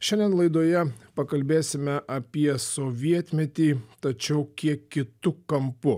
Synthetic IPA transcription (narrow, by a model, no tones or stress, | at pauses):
ʃʲɛnʲd̪ʲɛnlˠɐɪd̪oːjɛpɐkɐlʲbʲeːsʲɪmʲɛʔɐpʲiɛsoːʋʲiɛt̪ʲmʲɛt̪ʲiːt̪ɐt͡ʃʲɛʊkʲiɛkkʲɪt̪ʊkɐmpʊ